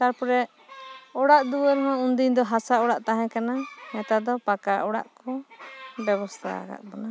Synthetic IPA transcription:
t̪aɾpɔɾɛ | ɔɽaʔd̪uwəɾɦɔ̃und̪iɲd̪ɔɦasaɔɽaʔt̪aɦɛ̃kanamɛt̪ad̪ɔpakaʔɔɽa̰ʔkɔbɛβɔst̪ʰa̰a̰ɡa̰ʔ̚bɔna

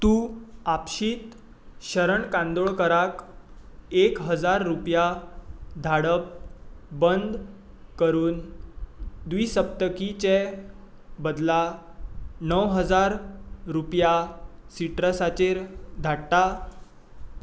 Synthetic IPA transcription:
t̪ũapɕiːt̪ | ɕəɾəɳkãnd̪oɭkəɾak | ekɦəd͡zaɾːupja | d̪ʱaɽəp̚bənd̪ | kəɾuːn | d̪ʋiːsəp̚t̪əkit͡ɕe | bəd̪la | nəwɦəd͡zaɾɾupjasiʈɾəsat͡ɕeɾd̪ʱaɽt̪a

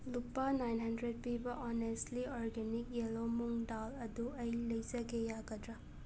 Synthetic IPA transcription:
lupːɐnajnɦɐndɾed̚pibɐʔɔnestliɔɾɡenik̚jelomuŋdalɐduɐjlɐjzɐɡejaɡɐdɾa

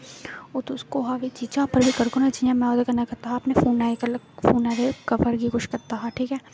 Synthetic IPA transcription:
oːt̪skoɦaːʋet͡ʃit͡ʃaːpɐɾbʱikɐɾkonat͡ʃiãmɛ̃ɔːd̪ekɐnakɐɾt̪aɦaɐpnefuːnaːekɐl | fuːnaːd̪ekɐʋəɾɡikʊʃkɐɾt̪aɦaʈʰiːkɦɛː

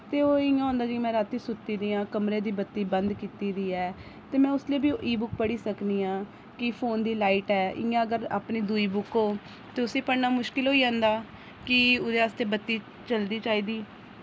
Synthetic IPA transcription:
t̪eːoːɪjãːɦõːnd̪aːd͡ʒimɛ̃ːɾaːt̪ːiːsʊt̪ːiːd̪iːãːkəmɾeːd̪iːbət̪ːiːbə̃nd̪kiːt̪iːd̪iːɛː | t̪eːmɛ̃ːʊslieːbiːʔiːbʊkpəɽiːsəkniːãː | kɪpʰoːnd̪iːlaːiːʈɛːɪ̰̃ːãːəɡəɾa̰ːpniːd̪uiːbʊkoː | t̪eːʊsiːpəɽnaːmʊʃkɪlɦoːiːãːnd̪aː | kɪʊd̪eːaːst̪eːbət̪ːiː | t͡ʃəld̪iːt͡ʃaːiːd̪iː

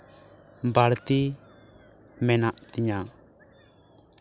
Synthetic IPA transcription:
baɽt̪i | mɛnaʔt̪iɲa

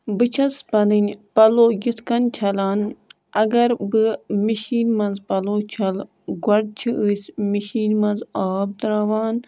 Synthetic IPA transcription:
bɨt͡ʃʰɐspɐnɨnʲpɐloːɡit̪ʰkɐnt͡ʃʰɐlaːn | ɐɡɐɾbɨmiʃiːnmɐnzpɐloːt͡ʃʰɐl | ɡwɐɖ̚t͡ʃʰiʔɨsʲmiʃiːnmɐnzaːb̚d̪ɾaːʋaːn

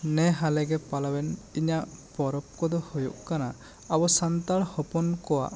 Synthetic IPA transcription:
nɛɦalɛɡɛpalawɛniɲaʔpɔɾɔp̚kɔd̪ɔhojṵʔkana | abɔsant̪aɽhɔpɔnkɔwa̰ʔ

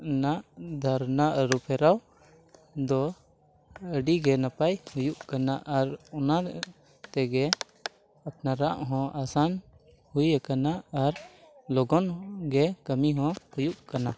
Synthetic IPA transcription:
naʔd̪ʱaɾnaʔɾupʰɛɾaw | d̪ɔ | əɖiɡɛnapajhujuʔkanaʔaɾɔna | t̪ɛɡɛ | ap̚naɾaʔɦɔ̃ʔasan | hujakanaaɾ | lɔɡɔnɡɛkəmiɦɔ̃hujuʔkana

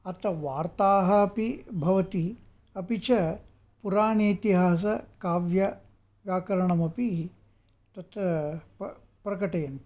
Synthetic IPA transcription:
ɐt̪ɐʋaːɾt̪aːɦɐɐpibʱɐʋɐt̪i | ɐpit͡ʃɐ | puɾaːɳiːt̪iɦaːs̬ɐkaːʋjɐ | ʋjaːkɐɾɐɳɐmɐpi | t̪ɐt̪ | pɾɐkɐʈɐjɐnt̪i

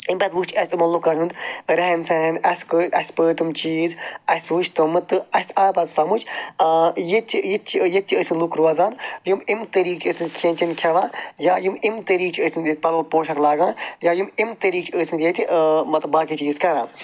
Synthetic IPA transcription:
imbʲɐt̪ʋukt͡ʃʰɐsʲt̪ʲumɐnlukːanund̪ɾɛɦɛnsɛnʔɐskəːɐsʲpəːt̪umt͡ʃiːzɐsʲt̪ʋut͡ʃʰt̪umɨt̪ɨɐsʲt̪ʰaːbɐzsɐmut͡ʃʲː | jit̪t͡ʃijit̪̚t͡ʃʰijet̪̚ʲt͡ʃʰiəːsʲmilukɾuaːzaːnjumimt̪əɾiːkt͡ʃʰəːsʲmit̪kʲʰẽːnʲt͡ʃɐnkʲʰɐʋãːjaːjumimt̪əɾiːkt͡ʃʰəːsmit̪jet̪̚ʲpɐɾɐlpoːʃɐɾlaːɡãːjaːjumimt̪əɾiːkt͡ʃʰəːsʲmit̪ʲjet̪ʲimɐt̪baːkit͡ʃiːzkɐɾãː

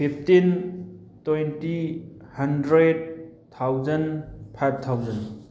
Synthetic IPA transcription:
pʰip̚ʰtin | twejntihɐndɾed̚t̪ʰawzɐnpʰat̚t̪ʰːawzɐn

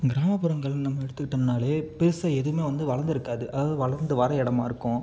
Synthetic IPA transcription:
ɡɪɾaːmɐpːɯɾɐŋɡɐɭnɐmːɐɛɽɯt̪ːɯkːɪʈːɐnaːleːpɪɾɯsɐɛðɯɯmeːʋɐnd̪ɯʋɐɭɐɾnd̪ɪɾɯkːaːðɯʔɐðaːðɯʋɐɭɐɾnd̪ɯʋɐɾɐɛɽɐmaːɪɾɯkːʊ̃

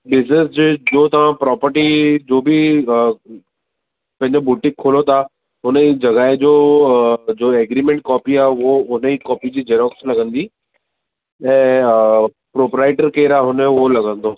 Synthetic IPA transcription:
bɪznesd͡ʑd͡ʑoːt̪ɐʋ̤ãpɾɔːpəɾʈid͡ʒoːbʱi | pɐ̃ɦɪ̃ɲd͡ʑobuʈɪ̃kʰːoːlot̪ʰa | ʊnẽid͡ʑɐɡaːed͡ʑoː | d͡ʒoːeːɡɾiːmẽɳʈ̚kɔːpiɛːʋoʊnẽikɔːpid͡ʑiːd͡ʒeːɾɔːkslɐɡə̃nd̪iː | ɛ̃ː | pɾoːpɾaːɪʈəɾkeːɾaɦʊnẽʋolɐɡə̃nd̪oː

